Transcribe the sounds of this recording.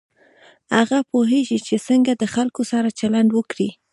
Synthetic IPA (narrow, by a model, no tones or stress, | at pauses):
ha̰ɣapoɦeʒit͡ʃesəŋɡad̪əxalkosaɾat͡ʃalaɳɖwəkɽi